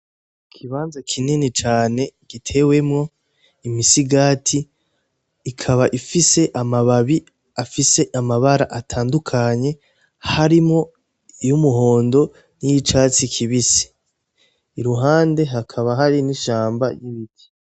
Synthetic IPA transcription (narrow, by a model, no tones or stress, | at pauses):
kʰiβaːnzakʰininit͡ʃaːne̞ɡ̥itʰe̞we̞mŋo̞ | imisiɡaːtʰiː | kʰaβaʔifise̞ʔamaβaβi | afise̞ʔamaβaɾaʔatʰaːndukʰaɲe̞ | haɾimŋo̞ | ijumuɦo̞ːndo̞ | nijit͡ʃaːt͡sikʰiβisi̥ | iɾuɦaːnde̞ɦakʰaβaɦaɾiniʃaːmba̰jiβitʰi̥